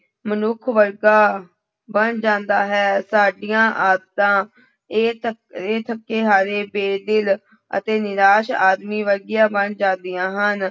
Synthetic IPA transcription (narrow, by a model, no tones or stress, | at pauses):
mənʊkʰʋəɾɡaː | bənd͡ʒãːnd̪aːɦɛːsaːɖijãːʔaːd̪t̪ãː | eːt̪ʰəkːeːɦaːɾeːbeːd̪ɪl | ə̰t̪eːnɪɾaːʃaːd̪miːʋəɾɡɪjãːbənd͡ʒãːnd̪ɪjãːɦən